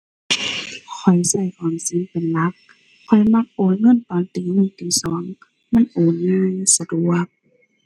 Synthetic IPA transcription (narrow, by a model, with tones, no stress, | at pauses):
kʰɔ˨˩jsa˧˩jkɔː˨˩nsi˧˦npe˨nla˧˦˥k̚ | kʰːɔ˨˩jma˧˥k̚ʔoː˨˦nŋɤ˧˥˨nt̪ɔː˨˦nt̪iː˨˦nɯ˧˩˨t̪iː˨˧˦sɔː˨˦ŋ | ma˧˥˨nʔoː˨˩˦nmiː˧˥˨sa˧du˨˩ək̚